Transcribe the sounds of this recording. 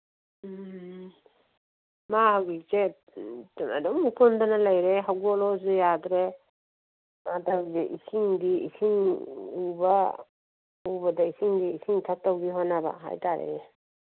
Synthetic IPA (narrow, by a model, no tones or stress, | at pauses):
mahawɡik̚ze | a̰dɔŋukʰundanalajɾeɦawɡɔlɔzujadɾe | atawzeʔisiŋdiisʰiŋuba | ubadaisiŋdiːsʰiŋtʰak̚tawɡihɔnaba̰ɦa̰jtʰaɾḛ